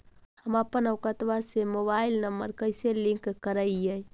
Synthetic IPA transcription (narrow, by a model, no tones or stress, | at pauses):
həməpənəʊkət̪ʋasemobailnəmbəɾkəjselĩŋkkəɾəjəj